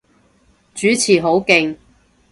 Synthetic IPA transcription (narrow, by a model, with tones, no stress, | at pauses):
t͡ʃyː˨˥t͡sʰiː˨˩ɦo˨˥wkɪ˧ŋ